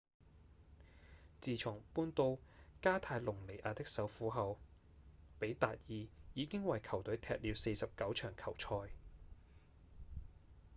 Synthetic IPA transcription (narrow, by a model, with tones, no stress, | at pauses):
t͡siː˨t͡ʃʰʊ˨˩ŋpuː˧nt̪o˧wkaː˥t̪ʰaː˧jlʊ˨˩ŋle˨˩jʔaː˨˧t̪ɪ˥k̚sɐ˨˥wfuː˨˥ɦɐ˨w | pe˨˥jt̪aː˨t̚jiː˨˧jiː˨˧kɪ˥ŋwɐ˨jkʰɐ˨˩wt̪ɵ˨˥ɥt̪ʰɛ̰ː˧t̚liː˨˧wse˧jsɐ˨p̚kɐ˨˥wt͡ʃʰœː˨˩ŋkʰɐ˨˩wt͡ʃʰɔː˧j